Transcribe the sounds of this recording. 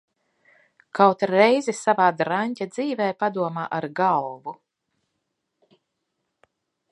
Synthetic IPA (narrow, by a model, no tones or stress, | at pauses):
kawt̪ɾɛjzisavaːd̪ɾaɲʲcʲad̪z̥iːvɛjpad̪uɔmaːʔaɾɡalvu